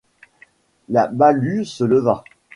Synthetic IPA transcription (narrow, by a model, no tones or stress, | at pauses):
labalysələva